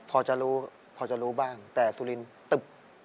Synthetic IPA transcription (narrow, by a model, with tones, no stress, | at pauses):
pʰɔː˧t͡ɕa˨˩ɾuː˦˥ | pʰɔː˧t͡ɕa˨ɾuː˦˥baː˥˩ŋt̪ɛː˨˩su˧li˧nt̪ɯ˨˩p̚